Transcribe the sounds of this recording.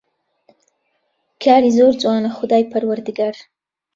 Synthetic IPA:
kʰɑːɾizoɾd͡zwɑnaxʊd̪ɑjpaɾwaɾd̪ɪɡaɾ

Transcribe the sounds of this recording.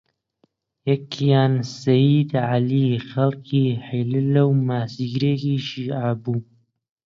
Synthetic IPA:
jɐkʰjaːnsɐjiːd̪ʕalixɐlkʰiːħelɨlɐwmaːsiɡɾeːkiːʃiːʔaːbuː

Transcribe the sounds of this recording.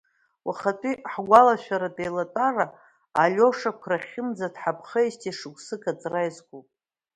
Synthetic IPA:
wʔaχatʼiħɡʷalaʃʷᶣaɾadʼejlatʼaraː | lʲo̞ʂakʷʰraχʲɪmd͡zadħapʰχəistʰʼiʂɨɡʷʼsɨkʰʼat͡sʼrajzɡʷupʼ

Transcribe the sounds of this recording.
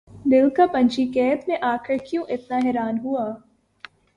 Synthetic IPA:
d̪ɪlkapɐ̃ɲt͡ʃikɛːt̪mẽʔaːkʰɪɾkjõʔɪt̪naɦɛːɾaːnɦuaː

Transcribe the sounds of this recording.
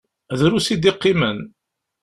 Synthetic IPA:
ðɾusid̪iqːimən

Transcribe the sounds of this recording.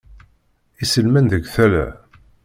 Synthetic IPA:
isəlmænðəɡθælæ̰

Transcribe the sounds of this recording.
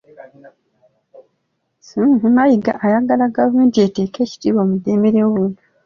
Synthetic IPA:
suumajiɡa̰ʔːjaɡalaɡavume̞ːntiete̞ːke̞ːci̥tiːβo̞ːmude̞meɾeoβunu

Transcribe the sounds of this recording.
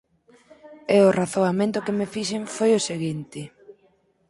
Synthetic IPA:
eʊraθoamẽnt̪ʊkemefiʃeɱfojʊseɣint̪ɪ

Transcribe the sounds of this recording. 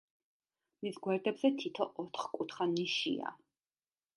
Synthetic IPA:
misɡwɛɾd̪ɛbz̥ɛt̪ʰit̪ʰɔʔɔt̪ʰχkʼut̪ʰχaniʃḭa̰

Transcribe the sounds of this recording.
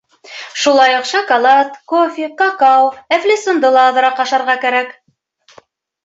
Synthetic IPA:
ʃulˠɑjŏqʃɑkɐlˠɑt̪kofʲiqɑqɑwæflʲisond̪ɤlˠɑ̆ːðɤ̆ɾɑqɑʃɑɾʁɑkæɾæk

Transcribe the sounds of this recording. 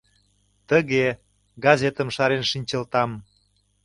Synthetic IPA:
t̪əɣe | ɡɑzʲet̪əmʃɑɾenʃinʲt͡ɕə̆lt̪ɑm

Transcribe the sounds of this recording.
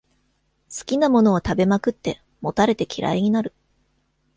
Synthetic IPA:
sɨ̥kʲinamo̞no̞ːt̪abe̞makɯ̟t̪ːe̞ | mo̞t̪aɾe̞t̪e̞kʲiɾʔa̰iɲ̟inaɾɯ̟

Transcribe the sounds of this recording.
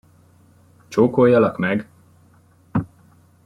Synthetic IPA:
t͡ʃoːkojːɒlɒkmɛɡ

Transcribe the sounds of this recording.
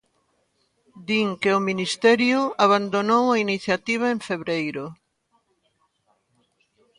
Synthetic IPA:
d̪iŋkeominist̪ɛɾjʊaβand̪onowainiθjat̪iβ̞aeɱfeβɾejɾʊ

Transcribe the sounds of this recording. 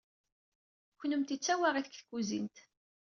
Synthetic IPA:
çnəmt̪it͡sːæwaʁiθə̥kθkːuzint̪

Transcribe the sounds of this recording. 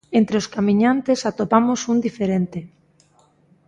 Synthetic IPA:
ent̪ɾeoskamĩɲant̪esat̪opamosund̪ifeɾent̪e

